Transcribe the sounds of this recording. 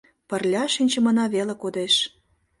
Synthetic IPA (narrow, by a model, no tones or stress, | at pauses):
pə̆rlʲɑʃinʲt͡ɕə̆mɤnɑβelĕkod̪eʃ